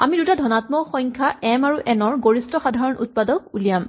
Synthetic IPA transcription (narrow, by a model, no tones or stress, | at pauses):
a̰midutadʱɔnatmɔxɔjŋkʰaɛmaɹuʔɛnɔɹɡoɹistɔxadʱaɹɔnʔṵt̚padɔk̚ulijam